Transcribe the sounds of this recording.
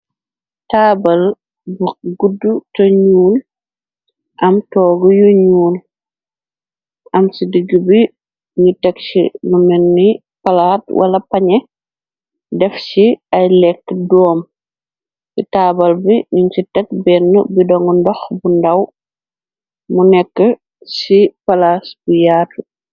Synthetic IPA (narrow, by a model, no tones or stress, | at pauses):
taːbɐl | buɡudːutɐɲuːl | ʔɐmtɔːɡɔjuɲuːl | ʔɐmsidiɡibi | ɲutɛksḭnumɛnːi | pɐlaːt̚wʔa̰lɐpɐɲɛ | dɛfsiɐjlɛkːdɔːm | sitaːbɐlbiɲuɲsitɛk̚bɛnːəbidɔŋɔndɔxbundɐw | munɛkːə | sipalasbujaːtu